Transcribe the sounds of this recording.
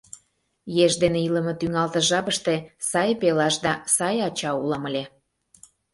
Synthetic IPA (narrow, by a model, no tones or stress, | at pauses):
jeʒd̪eneilə̆mɤ̆t̪yŋɑlt̪ə̆ʒɑβəʃt̪esɑjpelɑʃd̪ɑsɑjɑt͡ɕɑuləməlʲe